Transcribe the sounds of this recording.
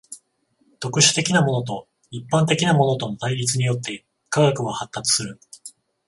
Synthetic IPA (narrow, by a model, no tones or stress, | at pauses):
t̪o̞kɯ̟ɕɨ̥t̪e̞kʲinamo̞no̞t̪o̞ | ipːãnt̪e̞kʲinamo̞no̞t̪o̞not̪aiɾʲit͡sɨɲ̟ijo̞t̪ːe̞ | kaɡakɯ̟ɡahat̪ːat͡sɨ̥sɨɾɯ̟